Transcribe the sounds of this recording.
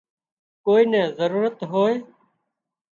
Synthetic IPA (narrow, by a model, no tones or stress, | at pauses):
koːiːnɛːzəɾuːɾət̪ɦoːeː